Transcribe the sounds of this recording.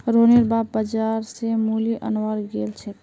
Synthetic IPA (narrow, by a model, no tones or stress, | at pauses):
ɾoneɾbabbəd͡ʒaɾsemuliʔənwaɾɡelt͡ʃʰɛ